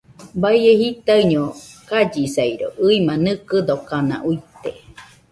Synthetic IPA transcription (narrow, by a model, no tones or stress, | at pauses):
baiehit̪aɯɲokad͡ʒisaiɾo̰ʔɨimanɨkɨd̪okanã̰ʔuit̪e